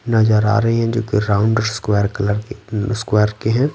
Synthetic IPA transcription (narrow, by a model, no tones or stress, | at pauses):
nɐd͡ʒəɾa̰ːɾɐɦeɦɛ̃d͡ʒo̰ːkeɾaːʊ̃ɳɖəɾskwɛːɾkɐləɾskwɛːəɾkeɦɛ̃ː